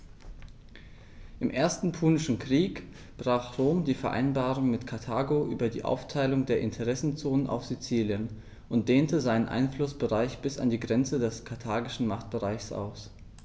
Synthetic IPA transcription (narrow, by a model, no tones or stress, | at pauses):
ʔɪmʔeːɐstn̩pʰuːnɪʃn̩kʁ̥iːk | b̥ʁ̥aːχʁoːmdiːfɛɐʔa̰ɪnbaːʁʊŋmɪtkʰaɐtʰaːɡoʔyːbɐdiːʔa̰ʊftʰaɪlʊŋdeːɐʔɪntʰəʁɛsn̩t͡soːnənʔa̰ʊfz̥it͡siːljən | ʔʊnt̚d̥eːntəzaɪnənʔa̰ɪnflʊsb̥əʁaɪçb̥ɪsa̰ndiːɡʁɛnt͡sədɛskʰatʰaːɡɪʃn̩maχt̚b̥əʁaɪçsʔa̰ʊs